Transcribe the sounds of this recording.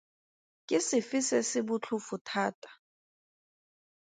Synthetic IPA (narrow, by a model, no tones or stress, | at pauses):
kʼɪsɪfisɛsɪbʊt͡ɬʰʊfutʰaːtʼḁ